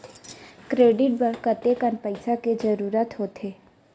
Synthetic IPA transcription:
kɾeːɖɪʈ̚bəɾkət̪ekənpəɪsaked͡ʒəɾuːɾət̪ɦoːt̪ʰeː

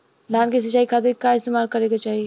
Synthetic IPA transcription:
laːnkes̬ɐt͡ʃaːikʰat̪ekaɪst̪eːmaːlkɐɾekat͡ʃaːɦie

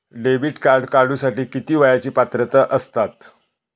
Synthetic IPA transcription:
ɖebiːʈkaɽkaɽuːsaʈiːkit̪iːʋəjat͡ɕiːpat̪ɾət̪aʔəst̪at̪

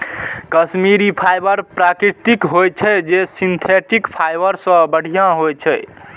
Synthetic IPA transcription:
kəsmiɾipʰajbəɾpɾakɾit̪ikɦojt͡ʃʰɛd͡ʒesint̪ʰeʈikpʰajbəɾsə̃bəɽ̤ʱijãɦojt͡ʃʰɛj

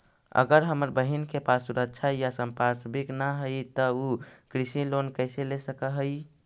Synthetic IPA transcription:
ə̰ɡəɾɦəməɾbəɦinkepasːuɾək̚t͡ʃʰajasəmpaɾsəbiknəɦəit̪əu | kɾisilonkəɪselesəkəɦəj

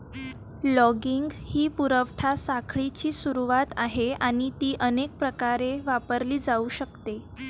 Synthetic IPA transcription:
lɔɡiŋɡhiːpuɾəʋʈʰasakʰɭit͡ɕiːsuɾuʋat̪aɦeaɽ̃it̪iːʔənek̚pɾəkaɾeʋapəɾliːd͡zauːɕək̚t̪e

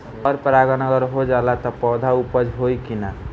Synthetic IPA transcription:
ɔɾpəɾaɡənəɡəɾɦod͡ʒalat̪ɔpɔd̪ʱaupəd͡ʒɦojkina

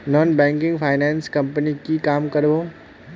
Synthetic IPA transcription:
nɔːnbɛ̃ːŋkɪ̃ŋɡpʰaːɪnɛ̃ːnskɐ̃mpənikikaːmkɐɾboː

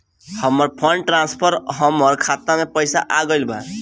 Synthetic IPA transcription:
həməɾpʰəɳɖʈɾãnspʰəɾɦəməɾkʰat̪amepəjsa̰ʔaɡəɪlba

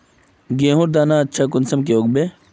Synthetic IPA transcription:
ɡẽːɦuɾd̪aːnat͡ʃʰakʊnsɐmk̬eoɡ̚beː

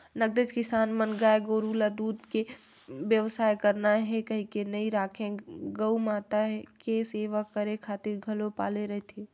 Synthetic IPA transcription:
nəɡd̪ed͡ʒkɪsaːnmənɡaeɡoːɾulad̪uːd̪ke | ʋjəʋsaːjkəɾnaɦɛkəɦĩkenəiɾaːkʰẽɡəumaːt̪akeseːʋakːəɾekʰaːt̪ɪɾɡʱɐlopa̰ːleɾəɦet̪ʰe

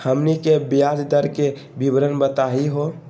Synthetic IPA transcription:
həmnikebjad͡ʒd̪əɾke | bibɾənbət̪aɦiɦo

